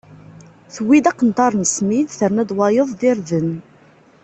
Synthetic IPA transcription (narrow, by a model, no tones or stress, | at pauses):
θwid̪æqːənt̪ɑɾˤnsmiðθəɾnæd̪wɑjəðˤðɪɾðən